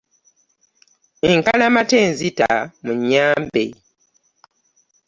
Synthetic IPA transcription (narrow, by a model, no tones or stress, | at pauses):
eŋkalamateːnzita̰muɲːaːmbḛ